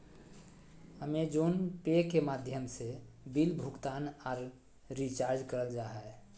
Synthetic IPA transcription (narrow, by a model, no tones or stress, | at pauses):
həmed͡ʒonpekemad̪ʱjəmse | bilbʱukt̪aːnɔːɾ | ɾit͡ʃaɾd͡ʒkəɾəld͡ʒaɦɛ